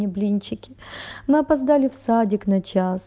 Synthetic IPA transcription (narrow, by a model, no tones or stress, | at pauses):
ɪblʲinʲt͡ɕɪkʲɪmɨɐpɐzd̪alʲɪfsadʲɪknɐt͡ɕas